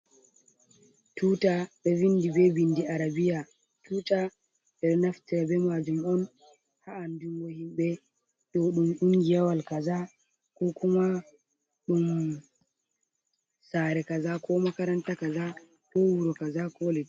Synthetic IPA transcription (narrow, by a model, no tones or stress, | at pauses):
tutaɓɛvinːdibɛbindiaɾabija | tuːta | ɓɛɗɔnaftiɾabɛmad͡ʒumɔn | haːnduŋɡohimbɛ | ɗɔɗumuŋɡijawalkaza | kɔkʰɔma | ɗum | saɾɛkazakɔmakaɾantakaza | tɔwuɾɔkazakɔlɛ